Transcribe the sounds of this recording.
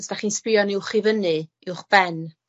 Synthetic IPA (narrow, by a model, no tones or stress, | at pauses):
sd̥aχiːnsprɪjɔnɪʊχivənɨ | ɪwχb̥ɛn